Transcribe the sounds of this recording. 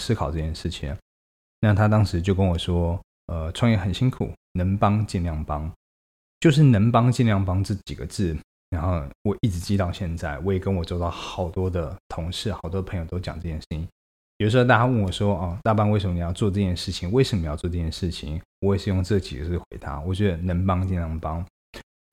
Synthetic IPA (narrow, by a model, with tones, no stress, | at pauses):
sɹ̩˥kʰɑ˨˩ʊʈ͡ʂɤ˥˩t͡ɕjɛ˥nʂɻ̩˥˩t͡ɕʰḭ˨˦ŋ | na˥˩t̪ʰa˥t̪̬ɑ˥ŋʂɻ̩˧˦t͡ɕjo˥˩ʊkə˧˥nwɔ˨˩ʂwɔ˥ | ə˧ʈ͡ʂʰwɑ˥˧ŋjɛ˥˩xə˨˩nɕi˥ŋkʰṵ˨˩˦ | nə˧˥ŋpɑ˥ŋt͡ɕi˥˧nljɑ˥˩ŋpɑ˥ŋ | t͡ɕjo˥˧ʊʂ̬ɻ̩˥˩nə˧˥npɑ˥ŋt͡ɕi˥˧nljɑ˥˩ŋpɑ˥ŋt͡sɤ˥˩t͡ɕi˨˩ɡə˦t͡sɹ̩˥˩ | ɻa˧˥nxo˥˧ʊwɔ˨˩ʔi˥˩ʈ͡ʂ̩˧˥t͡ɕi˥t̪ɑ˥˧ʊɕjɛ˥˧nt͡sa˥˩ɪwɔ˧˥jkə˧˦nwɔ˨˩t͡sɔ˥˧ʊt̪ɑ˥˩ʊxɑ˨˩ʊt̪wɔ˥d̪ə˨t̪ʰʊ˧˥ŋʂɻ̩˥˩xɑ˨˩ʊt̪wɔ˥d̪əpʰŋjo˨˩ʊt̪ʊt͡ɕjɑ̰˨˩ŋʈ͡ʂɤ˥˧˩t͡ɕjɛ˥˩ʂɻ̩˥˩i˨˩ | jo˨˩ʊ˧˥ʂ̩˧˥˧t̪a˥˩t͡ɕa˥wə˥˩nwɔ˨˩ʂwɔ˥ɔ˥˩t̪a˥˩pɑ˥ŋwe˥ɪʂə˨˧mə˨n˨˩jɑ˥˧ʊt͡swɔ˥˧ʈ͡ʂɤ˥˧t͡ɕjɛ˥nʂɻ̩˥˩t͡ɕʰi˨˩˦ŋwe˥˩ɪʂə˨˩m˧ə˧˨jʊt͡swɔ˥˧ʈ͡ʂɤ˥˧˩t͡ɕjɛ˥nʂɻ̩˥˩t͡ɕʰḭ˨˦ŋwɔ˧˥wʂɻ̩˥˧jʊ˥˧ŋʈ͡ʂɤ˥˩ɡə˩t͡ɕi˨˩ɡə˦t͡sɹ̩˥˩xwḛ˧˥ɪt̪ʰa̰˧˥wɔ˨˩t͡ɕɥɛ˧˥d̪ə˧nə˧˥npɑ˥ŋt͡ɕi˥˧nljɑ˥˩ŋpɑ˥ŋ